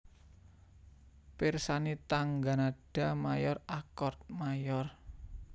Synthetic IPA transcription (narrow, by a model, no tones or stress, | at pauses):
pɪrsanit̪aŋɡanaɖ̥a̤majɔrakɔrt̪̚majɔr